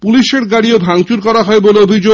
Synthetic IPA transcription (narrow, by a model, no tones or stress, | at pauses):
puliʃeɾɡaɽiobʱaŋt͡ɕuɾkɔɾaɦɔeboleobʱid͡ʑo